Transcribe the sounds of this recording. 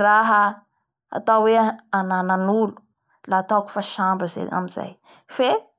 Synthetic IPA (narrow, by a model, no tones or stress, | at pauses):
raɦə | a̰t̪awweanananulu̥ | laːt̪aku̥faʃambəzḛa̰miza̰j | fe